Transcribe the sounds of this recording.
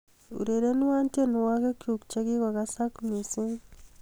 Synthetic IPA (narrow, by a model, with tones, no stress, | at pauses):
ṵ˨ɾe˨ɾe˦ni˦wa˦nte˦nu˨wa˦ke˦kju˨kt͡ʃa˦ki˦ka˨ka˦sakni˨su˦n